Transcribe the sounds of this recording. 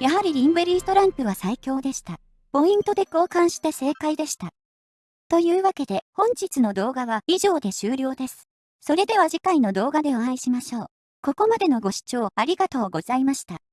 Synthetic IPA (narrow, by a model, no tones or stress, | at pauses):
jaɦaɾʲiɾʲĩmbɯɾʲiːst̪o̞ɾãmpɯ̟β̞asaikʲo̞ːd̪e̞ɕi̥t̪a | po̞ĩnt̪o̞d̪e̞koːkãɰ̃ɕi̥t̪e̞se̞ːkaid̪e̞ɕi̥t̪a | t̪o̞jɯ̟ːβake̞d̪e̞hõ̞ɲ̟d͡ʑit͡sɨno̞d̪o̞ːɡaβaiʑo̞ːd̪e̞ɕɨːɾʲo̞ːd̪e̞sɨ̥ | so̞ɾe̞d̪e̞β̞aʑikaino̞d̪o̞ːɡad̪e̞oãiɕimaɕo̞ː | ko̞ko̞mad̪e̞no̞ɡo̞ɕi̥t͡ɕo̞ːaɾʲiɡat̪o̞ːɡo̞z̥aimaɕi̥t̪a